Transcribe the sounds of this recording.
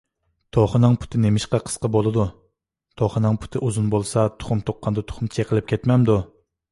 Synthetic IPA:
t̪ʰoχənɨŋpʰu̥t̪ʰɪnemɪʃqɑqʰə̥sqɑbolˠɨd̪u | t̪ʰoχənɨŋpʰu̥t̪ʰɪʔuzunbolˠsɑt̪ʰʊ̥χʊmt̪ʰoqʰːɑnd̪ɑt̪ʰʊ̥χʊmt͡ʃʰeqʰəlˠɪp̚kʲʰɛt̪mɛmd̪u

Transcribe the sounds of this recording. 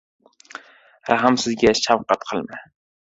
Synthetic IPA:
ɾʔaɦamsɪzɡʲaʃawqɑt̪qʰɨlˠma

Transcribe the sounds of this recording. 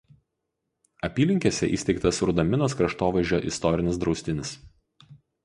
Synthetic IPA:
ɐpʲiːlʲɪŋʲkʲesʲɛ̰ʔḭːsʲt̪ʲɛɪk̚t̪ɐsɾʊd̪ɐmʲɪnoːskɾɐʃt̪oːʋɐɪʒʲoːʔɪst̪ɔɾʲɪnʲɪs̬d̪ɾɒʊsʲt̪ʲɪnʲɪs

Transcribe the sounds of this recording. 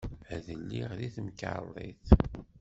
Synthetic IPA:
æðəlːiʁðiθəmka̰lˤːḭθ

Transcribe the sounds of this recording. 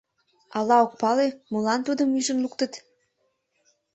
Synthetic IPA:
ɑlɑok̚pɑlemulɑnt̪ud̪əmyʒənlukt̪ət̪

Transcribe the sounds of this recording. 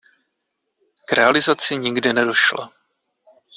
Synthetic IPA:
kɾɛalɪzat͡sɪɲɪɡdɪnɛdo̞ʃla̰

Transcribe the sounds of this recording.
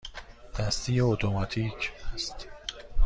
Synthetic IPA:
d̪̥æst̪iːjeot̪ʰomɑt̪ʰiːcʰæst̪

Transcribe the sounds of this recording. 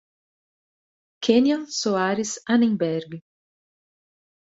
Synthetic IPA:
kʰenjɐ̃nsoaɾɪsɐnẽŋbɛɾɡɪ

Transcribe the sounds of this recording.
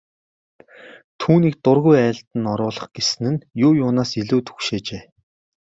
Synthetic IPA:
t̪ʰuːniːk̚t̪ʊrɣujæ̆ːɬt̪ɘ̆nɔɾʊːɮə̆χɡ̥esɘ̆nɘ̆njʊːjʊːnaːsiɮuːt̪ʰu̥xʃeːt͡ɕeː

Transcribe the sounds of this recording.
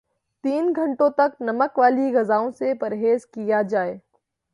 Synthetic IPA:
t̪iːnɡʱɐ̃ɳʈõt̪ɐknɐməkʋaːliɣɐzaːõsepɐɾɦeːzkijad͡ʒaːeː

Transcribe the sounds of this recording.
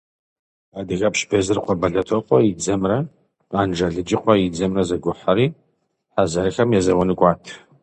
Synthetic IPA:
aːdɨɣɐpʃbɐzɨrqʷʰʼɔbɐɮɐtʰoqʷʼɔjid͡zɐmrɐ | aːnd͡ʒɐɮɨd͡ʒɪqʷɔjid͡zɐmrɐzɐɡʷʊħaɾiː | ħazɐrɨxɐmjɛzɐwɐnɨkʷʼɑːtʰ

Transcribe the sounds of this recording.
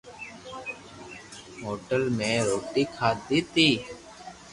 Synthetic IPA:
ɦoːʈəlmẽːɾoːʈiːkʰaːd̪iːt̪iː

